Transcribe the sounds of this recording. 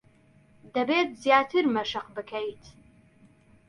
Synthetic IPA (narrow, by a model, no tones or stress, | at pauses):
d̪ɐbeːt̪̚zjaːt̪ʰɨɾmɐʃɨqbɨkʰɐjt̪